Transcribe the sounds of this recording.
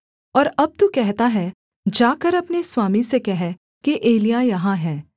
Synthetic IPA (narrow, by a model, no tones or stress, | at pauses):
ɔːɾɐb̚t̪ukɛɦt̪aɦɛ | d͡ʒaːkəɾɐpneswaːmisekɛɦɛ | keʔeːlijajɐɦãɦɛː